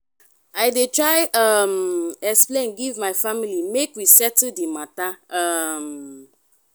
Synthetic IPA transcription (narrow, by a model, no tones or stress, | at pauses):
aɪdetɹaɪʌmɛksplẽnɡivmaɪfamilimekwisɛtdimataʌm